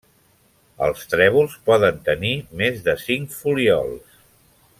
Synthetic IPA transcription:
ə̰lˠst̪ɾɛβ̞ulˠspɔðənt̪ənimezðəsiŋkfuliɔ̰lˠs

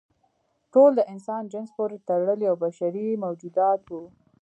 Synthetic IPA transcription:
ʈold̪əʔɪnsɑnd͡ʒɪnspoɾet̪aɾɽəljawbaʃaɾimawd͡ʒud̪ɑt̪wu

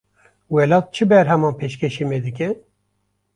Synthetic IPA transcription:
wɛlɑːt̪̚t͡ʃʰɨbɛɾɦɛmɑːnpʰeʃkʰɛʃimed̪ɨkʲɛ

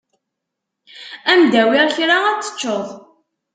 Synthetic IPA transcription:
æmd̪æwɪʁçɾaæt͡sːə̥t͡ʃːoðˤ

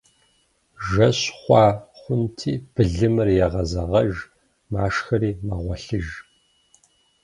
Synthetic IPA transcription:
ʒɐɕχʷɑːχʷʊntʰiːb̥ɨɮɨmɨrjɛʁɐzɐʁɐʒ | maːʂxɐɾiːmɐʁʷɔɬɨʒ

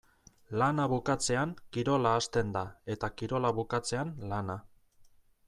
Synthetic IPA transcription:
lanaβukat͡se̞aŋkiɾo̞laːst̪e̞nd̪ae̞t̪akiɾo̞laβukat͡se̞anlana

